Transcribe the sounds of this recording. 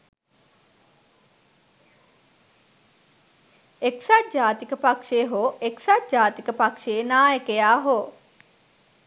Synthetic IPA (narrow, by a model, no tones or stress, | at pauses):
eksat̪̚d͡ʒaːt̪ikəpakʂeːɦoʔeksat̪̚d͡ʒaːt̪ikəpakʃeːnaːjekejaːɦo